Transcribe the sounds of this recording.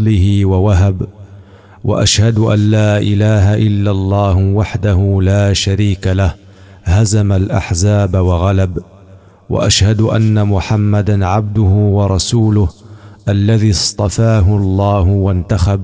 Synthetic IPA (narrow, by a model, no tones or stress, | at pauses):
lɪɦiwawaɦab | wa̰ʔaʃhad̪ʊʔa̰nːaːʔɪlaːɦaʔɪlːalˤːɑːhʊwaħd̪aɦulaːʃaɾiːkalah | hazamalʔa̰ħzaːbawaɣalab | wa̰ʔaʃhad̪ʊʔa̰nːamʊħamːad̪anʕab̚d̪ʊhʊwɑɾˤɑsuːlʊhʔalːaðiːsˤt̪ˤɑfaːɦʊɑlˤːɑːɦʊwant̪axab̚